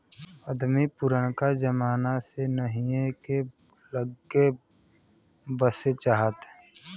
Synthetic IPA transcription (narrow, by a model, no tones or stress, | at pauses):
əd̪mipʊɾəɽ̃kad͡ʒəmaːnasenəɦĩeke | ləɡe | bəset͡ʃaɦət̪